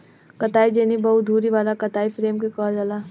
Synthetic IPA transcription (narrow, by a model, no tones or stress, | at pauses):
kɐt̪aːid͡ʒeːnibɐɦʊt̪̚d̪ʱuːɾiʋaːlakɐt̪aːifɾeːmkekɔːld͡ʒɐlaː